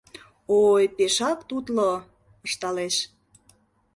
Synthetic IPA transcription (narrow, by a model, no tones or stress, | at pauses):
ojpeʃɑkt̪ut̪lo | ə̆ʃt̪ɑleʃ